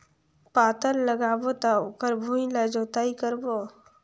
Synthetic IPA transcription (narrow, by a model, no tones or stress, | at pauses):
paːt̪ənləɡaːbot̪aokəɾbʱũːĩlaːd͡ʒoːt̪aːikəɾbo